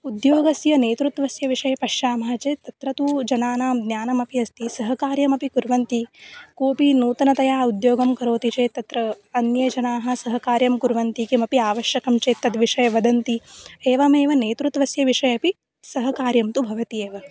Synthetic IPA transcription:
ud̪joːɡɐsjɐneːt̪ɾut̪ʋɐsjɐʋiʂɐjɐpɐʃjaːmɐɦɐt͡ʃeːt̪ɐt̪ɾɐt̪ud͡ʒɐnaːnaːmd̪njaːnɐmɐpiɐst̪isɐɦɐkaːɾjɐmɐpikuɾʋɐnt̪ikoːpinuːt̪ɐnɐt̪ɐjaːud̪joːɡɐmkɐɾoːt̪it͡ʃeːt̪ːɐt̪ɾɐ | ɐnjɐt͡ʃɐnaːɦɐ̆sɐɦɐkaːɾjɐmkuɾʋɐnt̪ikemɐpiaːʋɐʃjɐkɐmt͡ʃeːt̪ːɐd̪ʋiʂɐjɐʋɐd̪ɐnt̪ieːʋɐmeːʋɐneːt̪ɾut̪ʋɐsjɐʋiʂɐjɐpi | sɐɦɐkaːɾjɐmt̪ubʱɐʋɐt̪ieːʋɐ

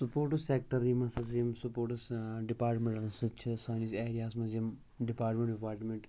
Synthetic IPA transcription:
supoːɾʈuseːk̚ʈɐɾimɐsɐsijɐmsupoːɾʈsɖipaːɾʈmẽɳʈɐsɐt͡ʃʰsaːniseːɾijaːsmɐzijɐm | ɖipaːɾʈmẽɳʈɖipaːɾʈmẽɳʈ

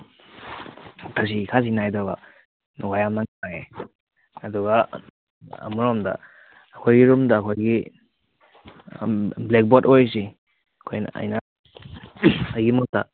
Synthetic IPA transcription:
tʰas̬ikʰas̬inajdoɡɐ | wajamnaŋaŋe | ɐduɡɐ | ɐ̰muɾomdɐ̰ː | kʰojɡiɾumdɐːkʰojɡi | blek̚botojs̬i | ɐkʰojn̰a̰jnɐ | ɐjɡimuk̚tɐ̰

